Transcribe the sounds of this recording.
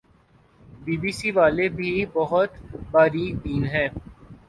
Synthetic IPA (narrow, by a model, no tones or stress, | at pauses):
biːbiːsiʋaːlebʱibɔɦʊt̪baːɾid̪iːnɦɛ̃ː